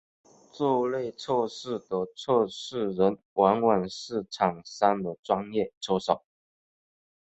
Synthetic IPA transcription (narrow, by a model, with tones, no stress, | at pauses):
t͡sɔ˥˧le˥˧ɪt͡sʰɔ˥˧ʂɻ̩˥˩d̪ə˨˦t͡sʰɔ˥˧ʂɻ̩˥˩ɻə˨˦n | wa˧˥nwa˨˩nʂɻ̩˥˩ʈ͡ʂʰɑ˨˩ŋsa˥nd̪ə˨ʈ͡ʂwɑ˦˥ŋjɛ˥˩ʈ͡ʂʰo˥ʊʂɑ˨˩˦ʊ